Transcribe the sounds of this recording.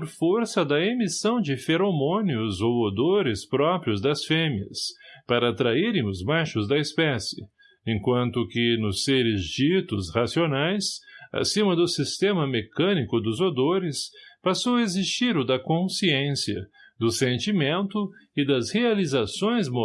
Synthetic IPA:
ɾfoɾsɐd̪ɐemisɐ̃w̃d͡ʒɪfeɾomõniʊzowod̪oɾɪspɾɔpɾiʊzd̪ɐsfẽmiɐ̰spaɾɐːt̪ɾaiɾẽj̃ʊzmaʃʊzd̪ɐespɛsɪ̰ | ẽkwɐ̃nt̪ʊkɪnʊsːeɾɪzd͡ʒit̪ʊshasionajsa̰sĩmɐd̪ʊsist̪ẽmɐmekɐ̃nikʊd̪ʊzod̪oɾɪspasowɐezist͡ʃiɾʊd̪ɐkõsiẽsiɐ̰ | d̪ʊsẽnt͡ʃimẽnt̪ʊɪd̪ɐzhealizasõj̃zmo

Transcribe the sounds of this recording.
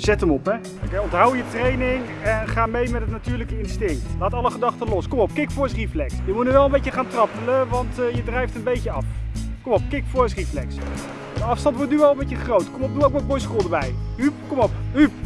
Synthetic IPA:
z̥ɛtəmɔpɦɛ | kɛɔntɦɑwjətrejnɪŋ | ɛnχaːmejmɛtətnatyːɹləkəɪnstɪŋktlaːtɑlˠəχədɑχtəlɔskɔmɔp̚kɪkfɔːɹsriflɛksjəmutnyʋɛlˠəmbejcəχaːntrɑpələʋɑntjədrɛjftənbejcəɑfkɔmɔp̚kɪkfɔɹsriflɛks | dəɑfstɑntʋɔɹtnyʋɛlˠəmbejəχrowtkɔmɔpduowkʋɛt̚bɔjskuːlˠdəbɛjyp̚kɔmɔpɦyp

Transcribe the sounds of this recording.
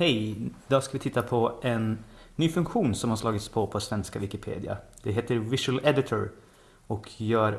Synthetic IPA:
hɛjd̪ɑːskavɪt̪ʰɪt̪ːapʰɔʔɛnːyːfɵŋkɧuːnsɔmhaɾʂlɑːɡɪt̪spʰɔpʰɔsvɛnskavɪkɪpʰḛːd̪ɪa̰d̪̥ɛɦeːt̪əɾvɪʂəlɛd̪ɪt̪ʰʊɾ | ɔkʰjœːɾ

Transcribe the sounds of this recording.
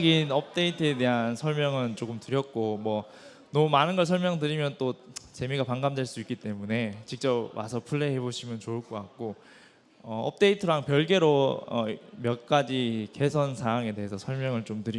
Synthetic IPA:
ɡinʌp̚t͈e̞itʰɯe̞te̞ɦansʰʌɭmjʌŋɯnt͡ɕ͈oɡɯmtɯɾjʌk̚k͈omwʌ | nʌmumanɯnɡʌɭs̬ʰʌɭmjʌŋtɯɾimjʌnt͈ot͡ɕe̞miɡapaŋɡamdweɭs͈uik͈it͈e̞mune̞t͡ɕik̚t͡ɕ͈ʌpwa̰sʰʌpʰuɭːe̞ɦeboɕʰimjʌnt͡ɕoɯɭk͈ok͈ak̚k͈o | ʌʌ̰p̚t͈e̞itʰɯɾaŋpjʌɭɡe̞ɾoʌ̰mjʌk͈ad͡ʑike̞sʰʌnsʰaɦaŋe̞te̞ɦesʰʌsʰʌɭmjʌŋɯɭt͡ɕomtɯɾi

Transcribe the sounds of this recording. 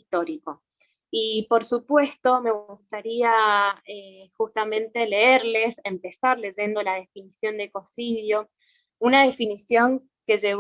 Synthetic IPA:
t̪o̞ɾiko̞ | ipo̞ɾsupwe̞st̪o̞me̞ɣust̪aɾiaexust̪amẽ̞nt̪e̞le̞eɾle̞se̞mpe̞saɾle̞ʒe̞nd̪o̞laðe̞finisjo̞nd̪eko̞siðjo̞ | unaðe̞finisjo̞ŋ | ke̞ʒe̞β

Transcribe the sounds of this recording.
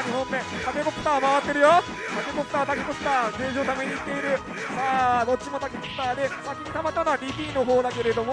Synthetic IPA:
ɲiɦõ̞mːe̞t̪ake̞ko̞kɯ̥t̪aːmaβat̪ːe̞ɾɯ̟jo | t̪ake̞ko̞pɯ̟̥t̪aːt̪ake̞ko̞kɯ̟̥t̪aːɡẽːɕot̪ameɲ̟iːt̪ːe̞iɾɯ̟ | maːno̞t͡ɕimo̞t̪akekopɯ̥t̪aːd̪e̞sakʲiɲ̟it̪amat̪ːanaaɾʲipʲiːno̞ɦo̞ːd̪ake̞ɾe̞d̪o̞mo

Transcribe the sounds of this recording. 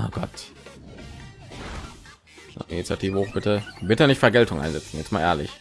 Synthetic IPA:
oɡ̥ɔt | na̰ʔinit͡sjatʰiːvəhoːχb̥ɪtəbɪtənɪçtfɛɐɡɛltʊŋʔa̰ɪnzɛt͡sn̩jɛt͡stmaːlʔeːɐlɪç

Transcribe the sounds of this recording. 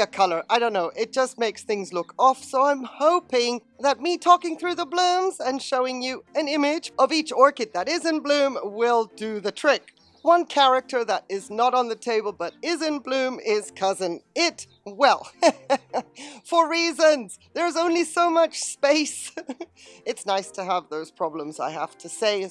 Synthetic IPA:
ɨkʰʌlˠə˞ʔaɪɾõʊ̃nːoʊʔɪt̚d̥ʒ̥ʌst̚meɪksθɪ̃ŋzlʊkʰɔfsoʊãɪ̃mhoʊpɪ̃ŋðɨt̚mitʰɔkɪ̃ŋθɹʉðəblʉ̃mzɨ̃nʃoʊɪ̃ŋjɨɨ̃nɪ̃mɪd͡ʒʌvit͡ʃɔɹkɨt̪̚ðɨɾɪzɨ̃nblʉ̃mwɪlˠdɨðɨtʰɹ̥ɪk | wʌ̃nkʰæɹɨk̚tʰə˞ðɨɾɪznəɾn̩ðɨtʰeɪbəl̩ˠbʌɾɪzɨ̃nblʉ̃mɪz̥kʰʌzɨ̃nɪt̚ | wɛlˠ | fə˞ɹizɨ̃nz̥ðə˞ɨzõʊ̃nlisoʊmʌt͡ʃspeɪs | ɨtsnaɪstʰɨəvðoʊz̥pʰɹ̥ɑblə̃mza̰ɪhæftʰɨseɪ

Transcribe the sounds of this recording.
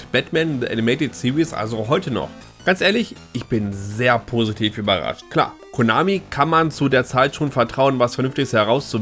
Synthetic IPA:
b̥ɛtmɛnðiʔa̰nimeɪtɪtsiʁisʔa̰lzoɦɔʏtənɔ̰χ | ɡ̥ant͡sʔeːɐlɪçʔɪçb̥ɪnzeːɐpʰoːzitʰiːfʔyːbɐʁa̰ʃtkʰl̥a̰ːɐkʰona̰ːmikʰanmant͡sudeːɐt͡saɪtʃoːnfɛɐtʁ̥aʊənvasfɛɐnʏnftɪçəshɛɐʁaʊst͡su

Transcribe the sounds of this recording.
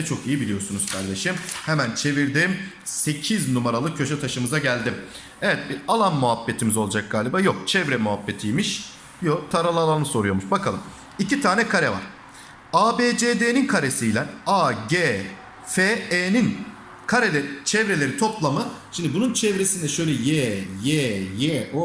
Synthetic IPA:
ɛt͡ʃʰo̞kijibilʲijo̞sunuz̥kʰaɾd̪e̞ʃimhɛmænt͡ʃʰe̞viɾd̪iːm | se̞cʰiznumaɾalˠɯkcʰːø̞ʃɛt̪ʰaʃɯmɯzaɟælʲd̪im | evɛt̪̚bialˠanmuɦapːe̞t̪ʰimizoad͡ʒak̚ɡaːlʲibajok̚t͡ʃʰɛvɾɛmuɦapːe̞t̪ʰijmiʃ | jot̪ʰaɾalˠalˠanɯso̞ɾujo̞muʃbakʰalˠɯm | icit̪ʰaːnɛkʰaɾɛva̰ɾ̥ | aːbeːd͡ʒeːd̪eːninkʰaɾesijlʲænaːɟe | feeːnin | kʰaɾelʲet͡ʃʰɛvɾe̞lʲeɾit̪ʰo̞plˠamɯʃimd̪ibununt͡ʃʰɛvɾe̞sind̪ɛʃø̞jlʲɛjeːjejeo

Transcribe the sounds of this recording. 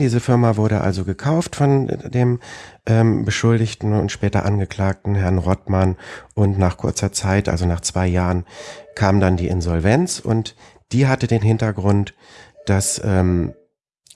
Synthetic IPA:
d̥iːzəfɪɐmavʊɐɾəʔa̰lzoɡəkʰaʊftfɔndeːmʔɛːmbəʃʊldɪçtn̩ʊ̰ntʃpɛːtɐ̰ʔanɡəkl̥aːk̚tn̩ɦɛɐnʁɔtmanʔʊntnaːχkʰʊɐt͡sɐt͡saɪtʔa̰lzonaːχt͡sv̥aɪjaːʁənkʰaːmdandiːʔɪnzɔlvɛnt͡sʊ̰nt | d̥iːɦatədeːnɦɪntɐɡʁʊnt | d̥asʔɛːm

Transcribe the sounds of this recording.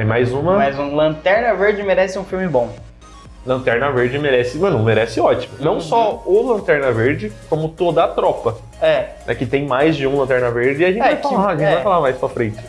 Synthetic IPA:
t̪ẽj̃majzũmɐmajzũlɐ̃t̪ɛɾnɐveɾd͡ʒɪmeɾɛsɪũfiwmɪbõ | lɐ̃nt̪ɛɾnɐveɾd͡ʒɪmeɾɛsɪmɐ̃nʊ̃meɾɛsɪɔt͡ʃimʊnɐ̃w̃sɔʊlɐ̃nt̪ɛɾnɐveɾd͡ʒɪkõmʊt̪od̪ɐːt̪ɾɔpɐ | ɛnɛ̰kɪt̪ẽj̃majzd͡ʒɪũlɐ̃nt̪ɛɾnɐveɾd͡ʒɪaʒẽt͡ʃavajkfallaaʒẽt͡ʃvajfalamajspɾɐfɾẽnt͡ʃɪ̥

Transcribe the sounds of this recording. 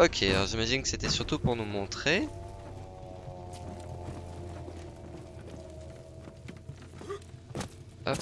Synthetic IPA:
ɔkʲʰealɔʁʒimaʒinkə̥set̪ɛsyʁt̪upuʁnumɔ̃t̪χe | a̰

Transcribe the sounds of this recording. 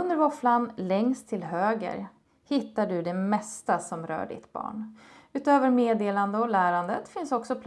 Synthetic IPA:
ɵnd̪əɾvɔflanlɛŋst̪ʰːɪlɦøːɡə̰ɾ | hɪt̪ːaɖɵd̪ɛmɛst̪asɔmɾœ̰ːɖɪ̰t̪bɑ̰ːɳʉ̟ːt̪øːvəɾmeːd̪eːland̪əɔlæːɾand̪ət̪fɪnsɔksɔpʰ

